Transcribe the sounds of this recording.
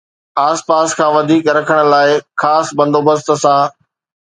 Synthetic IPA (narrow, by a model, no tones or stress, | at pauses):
aːspaːskʰãːʋɐd̪ʱiːkɾɐkʰəɽ̃ə̆laːɪxaːsbɐ̃nd̪ʱoːbɐst̪ə̆sãː